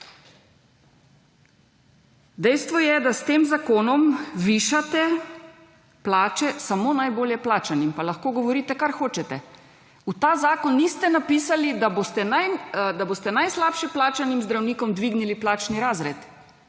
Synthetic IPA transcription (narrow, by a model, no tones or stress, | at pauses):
d̪ɛjst̪ʋɔjɛd̪ast̪eːmzakoːnɔmʋiːʃat̪ɛ | plaːt͡ʃɛsamoːnajboːljɛplaːt͡ʃanimpalaxkoːɡɔʋɔɾiːt̪ɛkaɾxoːt͡ʃɛt̪ɛ̰ | ut̪aːzaːkɔnːiːst̪ɛnapiːsalid̪abost̪ɛnajd̪aboːst̪ɛnajslaːpʃɛplaːt͡ʃanimzd̪ɾawnikɔmd̪ʋiːɡniliplaːt͡ʃniɾaːzɾɛ̰t̪